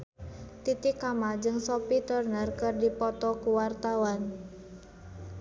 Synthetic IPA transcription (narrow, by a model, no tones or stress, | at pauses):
t̪it̪ɪkamad͡ʒɨŋsopit̪ərnərkərdipɔt̪ɔkuwart̪awan